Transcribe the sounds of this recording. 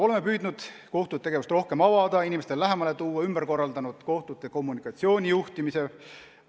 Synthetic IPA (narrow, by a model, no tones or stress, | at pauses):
o̞lemːepyːd̪nud̪̥ko̞ht̪ud̪̚t̪eɡe̞vust̪ro̞hke̞mɑvɑd̪̥ɑinʲimest̪ellæɦemɑlet̪uːɑymb̥eɾko̞rːɑld̪ɑnud̪̥ko̞ht̪ud̪ˑeko̞mːunikˑɑt̪sio̞ːnʲijuht̪imise̞